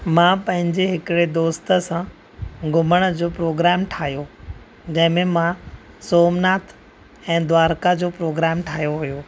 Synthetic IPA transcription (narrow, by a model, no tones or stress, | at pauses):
mãpɐ̃ɦɪ̃ɲd͡ʑeɦɪkɪɽed̪oːst̪ə̆sã | ɡʊməɽ̃d͡ʑoːpɾoːɡɾɛːmʈʰaːɦijo | d͡ʑɐ̃ɦɪ̃mẽmã | soːmnaːt̪ʰ | ɛ̃ːd̪ʋaːɾkad͡ʑoːpɾoːɡɾɛːmʈʰaːɦijoɦujoː